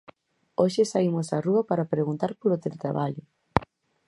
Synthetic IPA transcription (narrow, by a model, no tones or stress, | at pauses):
oʃɪsaimʊsɐruɐpaɾɐpɾeɣunt̪aɾpolot̪elet̪ɾa̰βaʎʊ